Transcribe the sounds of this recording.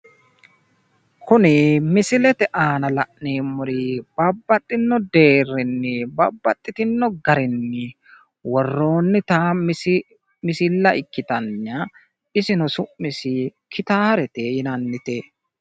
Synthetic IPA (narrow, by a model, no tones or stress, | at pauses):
kʰʊnɪmɪsɪlɛt̪ɛʔaːnɐlɐʔneːmʊɾib̥ɐbːɐt̪ʼːɪnːɔd̪e̞ːrɪnːɪbɐbːɐt̪ʼːɪt̪ɪnːɔɡɐɾɪnːɪ | wɔrːo̞ːnːɪt̪aː | mɪsɪlːɐʔɪkːɪt̪ɐɲːɐ | ɪsɪnɔsʊʔmɪsɪkʰɪt̪aːɾɛt̪ejɪnɐnːɪt̪e